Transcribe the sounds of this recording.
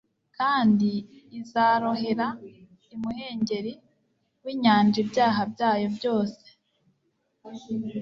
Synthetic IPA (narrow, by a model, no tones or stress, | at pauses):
kaːndiːzaɾo̞ɦe̞ɾa | imuhe̞ːɲɟe̞ɾi | wiːɲaːnd͡ʒibjaːɦabjaːjo̞bjo̞ːse̥